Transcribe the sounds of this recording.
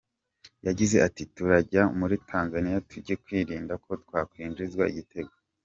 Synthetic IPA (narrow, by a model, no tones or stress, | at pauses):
jaɟize̞ʔatituɾaɟamuɾitʰaːnzanijatuɟekwiːɾiːndakʰo̞twaːkwiːnd͡ʒizɡwaiɟite̞ɡo